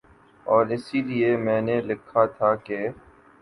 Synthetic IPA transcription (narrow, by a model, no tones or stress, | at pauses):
ɔːɾɪsiliemɛ̃ːnelɪkʰːat̪ʰake